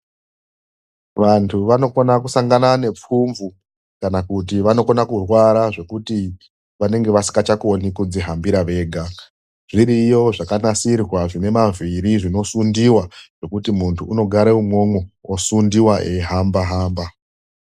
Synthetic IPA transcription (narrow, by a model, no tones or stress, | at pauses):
ʋantʰuʋano̞konakusaŋɡanane̞p͡fuɱvu | kanakut̬iʋano̞konakurwaɾaʐe̞kuti | ʋane̞ŋɡe̞ʋasi̥ŋɡat͡ʃakonikud͡ziɦambiɾaʋe̞ːɡʱa | ʐ̥iɾijo̞ʐakanasirwaʐine̞maviɾiʐino̞sundiwaʐ̥e̞kutimuntʰuːno̞ɡʱaɾeumŋo̞mowosundiwaʔeɦambaɦaːmba